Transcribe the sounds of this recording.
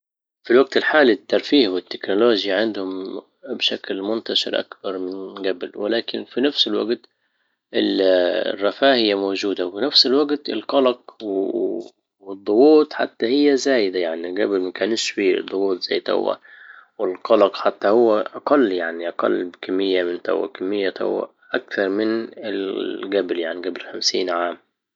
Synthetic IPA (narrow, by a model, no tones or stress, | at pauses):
filwaɡ̚t̪ɪlħaːlit̪ːɑɾˤfiːhwɪt̪ːɪknʊloːʒjaʕɪnd̪hʊm | bʃaklmʊnt̪aʃɪ̰ɾʔa̰kb̥ɑɾˤmɪnɡablwɪ̰laːkɪnfinafsɪlwa̰ɡt̪ | ɪ̰lrˤːɑfaːhɪjːamoːd͡ʒuːd̪awfinafsɪlwaɡt̪ɪ̰lqɑlɑqw | wɪd̪ˤːʊɣuːt̪ˤħa̰t̪ːahɪjːazaːjd̪ajaʕniɡablmakaːniʃwḭːd̪ˤːʊɣuːt̪ˤzajːt̪a̰wːa̰wɪlqɑlɑqħat̪ːahʊwːaʔɑqɑlːjaʕniʔɑqɑ̰lːbkamːɪjːamɪnt̪a̰wːa̰kamːɪjːat̪a̰wːa̰ | ʔak̚θɑɾˤmɪnɪlɡabljaʕniɡablxamsiːnʕaːm